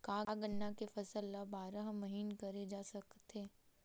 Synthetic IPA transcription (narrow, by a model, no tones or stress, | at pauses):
kaːɡənːakefɐsəlːabaːɾaɦmɐɦiːnkɐɾed͡ʒaːsɐkt̪eː